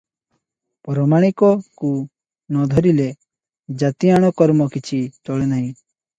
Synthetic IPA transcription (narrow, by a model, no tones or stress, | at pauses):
pɔɾɔmaɽ̃ikɔku | nɔd̪ʱɔɾile | d͡ʒat̪iaɽ̃ɔkɔɾmɔkit͡ʃʰit͡ʃɔɭenaɦĩ